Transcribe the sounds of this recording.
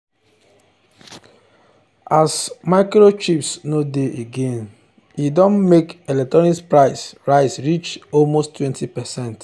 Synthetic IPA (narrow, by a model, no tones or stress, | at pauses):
asmaɪkɹot͡ʃipsnodeʔeɡẽn | idɔ̃nmekelɛk̚tɹɔnispɹaɪsɹaɪsɹit͡ʃɔlmostːwɛ̃ntʰipɛsɛ̃nt